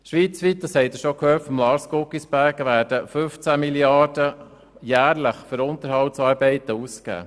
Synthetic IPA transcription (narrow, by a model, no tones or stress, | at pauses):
ʃʋiːt͡sʋit̪̚d̪ɑshɛɪt̪əʃokhøːtfɔmlɑːɾskokisb̥æɾɡəʋæːɾd̥əfɵft͡sæmiljɑd̥ə | jæːɾləχføɾʊnt̪əɾɦhɑltsɑːɾbɛɪt̪əuːskæ̰ː